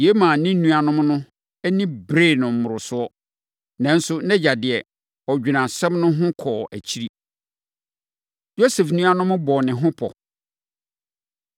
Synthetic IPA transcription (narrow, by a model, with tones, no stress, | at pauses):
je˦mãː˨nɪ̃˦n˦nũ˦a˨nʊ̃˦mnʊ̃˦ | æ˦nĩ˦bɾe˦˨nʊ̃˨m̩˨mʊ̃˨ɾʊ˨sʊ˦ɔ˦ | nã˨˦n̩˦sʊ˦nɛ̃˦d͡ʑa˨dɪ˨ɛ˨ | ɔ˨d͡ʑᶣi˨nã˨sɛ̃˦mnʊ̃˦ɦʊ̃˦kʰɔː˨ʔæ̰˨t͡ɕʰi˦ɾi˦ | jo˦se˨fnũ˦a˦nʊ̃˦mʊ̃˦bɔː˨nɪ̃˨ɦʊ̃˦pʰɔ̰˨